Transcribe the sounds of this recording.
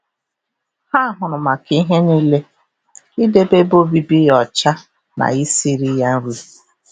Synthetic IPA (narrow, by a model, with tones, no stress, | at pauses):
ha˦˨ɦʊ˨ɾʊ˨ma˨ki˨˦ɦe˦ni˦le˦ | i˦de˦be˦bo˦bi˦bi˦jɔ˨t͡ʃa˦ | na̰˨i˦si˦ɾi˦ja˦n̩˦ɾu˦˨